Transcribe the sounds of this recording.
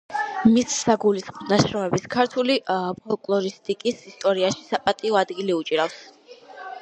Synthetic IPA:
misːaɡulisχmɔnaʃɾɔmɛbiskʰaɾt̪ʰulipʰɔlˠkʼlˠɔɾist̪ʼikʼisist̪ʼɔɾiaʃi̥sapʼat̪ʼiɔad̪ɡiliut͡ʃʼiɾafs

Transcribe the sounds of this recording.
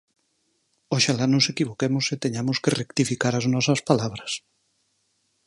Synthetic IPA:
oʃalanõsekiβokemoset̪eɲamoskerekt̪ifikaɾaznɔsɐspalaβ̞ɾɐs

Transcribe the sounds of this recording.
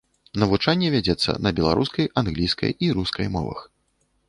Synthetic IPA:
nɐvut͡ʂanʲːɛvʲad͡zʲɛt̪sːɐ̰nɐbʲɛlˠa̰ɾʔuskɐjanɣlʲijskɐ̰jiɾuskɐjmɔ̰vɐ̰x

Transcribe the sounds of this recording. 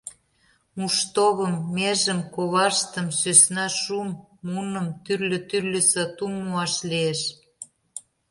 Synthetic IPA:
muʃt̪oβə̆mːeʒə̆mkoβɑʃt̪əmsøsnɑʃumːunə̆mt̪yrlʲø̆t̪yrlʲə̆sɑt̪umːuɑʃlieʃ

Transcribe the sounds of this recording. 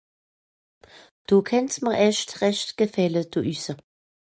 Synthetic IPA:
d̥oːkʰɛntməɛʃtʁɛʃtɡ̥əfɛləd̥oːʔysə

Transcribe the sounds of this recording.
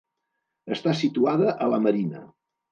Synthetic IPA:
əst̪asit̪uaðəʔələməɾinə̰

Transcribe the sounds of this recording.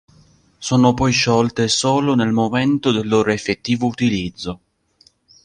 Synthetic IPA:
soːnopɔjʃɔlt̪esoːlonelmoment̪od̪elːoːɾoefet̪ːiːvout̪ilid̪zːo

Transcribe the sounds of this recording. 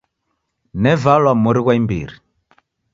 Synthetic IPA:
nɛvalwamuɾiɣwaimbḭɾi

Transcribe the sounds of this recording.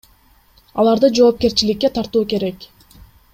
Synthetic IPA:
ɑlˠɑɾd̪ɯd͡ʒo̞ːp̚ke̞ɾt͡ʃilikːe̞t̪ʰɑɾt̪uːke̞ɾe̞k

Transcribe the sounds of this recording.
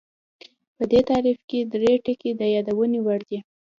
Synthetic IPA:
pəd̪et̪ɑɾifked̪ɾeʈəked̪əjɑd̪awənewaɽd̪i

